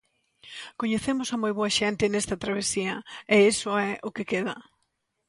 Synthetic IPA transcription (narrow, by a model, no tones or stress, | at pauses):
koɲeθemʊsɐmojβoɐʃɛnt̪ɪnɛst̪ɐt̪ɾaβ̞esiɐɛesʊɛʔʊkekeðɐ